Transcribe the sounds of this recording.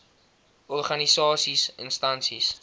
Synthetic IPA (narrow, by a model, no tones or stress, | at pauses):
ɔrχɐnisɑːsisənstɐnsis